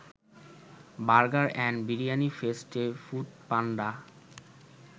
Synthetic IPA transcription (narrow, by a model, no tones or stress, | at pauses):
baɾɡaɾɛnbiɾijanifesʈefuʈ̪̚panɖa